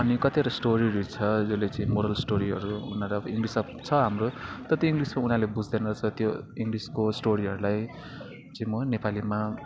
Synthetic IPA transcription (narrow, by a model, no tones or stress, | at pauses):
ʌnikʌt̪iʌɾʌsʈoɾiɾut͡sʰʌd͡zolet͡sʌ̃ĩmoɾʌlsʈoɾiɦʌ̰ɾuunʌɾʌbʌiŋɡlisʌpt͡sʰʌɦamrot̪ʌt̪joiŋɡlismaunalebud͡zd̪enʌt͡sʰʌt̪joiŋɡliskosʈoɾiɦʌɾulaj | t͡sʌ̃ĩmʌnepalima